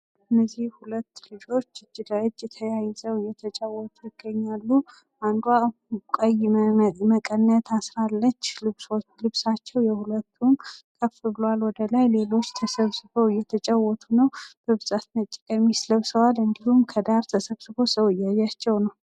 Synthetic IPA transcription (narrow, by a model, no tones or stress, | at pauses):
ʔɨnːəzihhulət̪ːlɨd͡ʒo̞t͡ʃːɨd͡ʒːɪd̪əɨd͡ʒɛt̪ʰəjajzəwɨjɛt̪ʰət͡ʃʼawɔt̪ʰʼujɪɡ̥ːəɲːalːu | and̪wakʼəjməkʼənːət̪ʰasɾalːət͡ʃːlɨβsolɨβsat͡ʃːɛwjɛhulət̪ʰːumkʰəfɨβlalwɔd̪əlajle̞lo̞t͡ʃːt̪ʰəsəβsɨβəwɨjːɛt̪ʰət͡ʃʼawːɔt̪ʰunəwb̥əβɨzʼat̪nət͡ʃʼːɛmːisləβsəwalɨnd̪ihumkʰəd̪aɾt̪ʰəsəβsɨbo̞səwɨjːajːat͡ʃːɛwnəw